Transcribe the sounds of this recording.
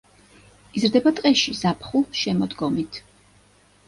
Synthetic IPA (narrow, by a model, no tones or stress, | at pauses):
izɾd̪ɛbat̪ʼqʼɛʃizapʰχuʃɛmɔd̪ɡɔmit̪ʰ